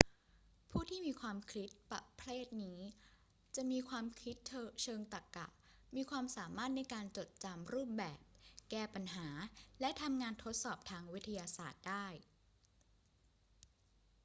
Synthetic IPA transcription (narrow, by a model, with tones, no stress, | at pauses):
pʰuː˥˩t̪ʰiː˥˩miː˧kʰwaː˧mkʰli˦˥t̪̚pa˨˩pʰleː˥˩t̪̚niː˦˥ | t͡ɕa˨˩ʔmiː˧kʰwaː˧mkʰi˦˥t̪̚t͡ɕʰːt͡ɕʰɤː˧ŋt̪a˨˩kːa̰˨˩ʔ | miː˧kʰwaː˧msaː˩˦maː˥˩t̪̚na˧jkaː˧nt͡ɕo˨˩t̪̚t͡ɕa˧mɾuː˥˩p̚bɛː˨˩p̚kɛː˥˩pa˧nɦaː˩˦lɛ˦˥ʔt̪ʰa˧mŋaː˧nt̪ʰo˦˥t̪̚sɔː˨˩p̚t̪ʰaː˧ŋwi˦˥t̪ʰːa˧jaː˧saː˨˩t̪̚daː˥˩j